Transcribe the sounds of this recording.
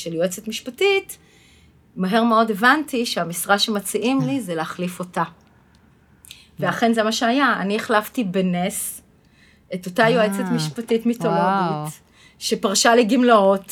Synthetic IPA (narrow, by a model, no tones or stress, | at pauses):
ʃeljoet͡setmiʃpatit | maɦe̞ʁmeo̞de̞vantiʃeamisʁaʃemat͡siʔimlizeleaχlifo̞ta | veaχe̞nzemaʃeajaa̰nieχlaftibenes | eto̞tajoet͡setmiʃpatitmitoʁodit | ʃepaʁʃaleɡimlaot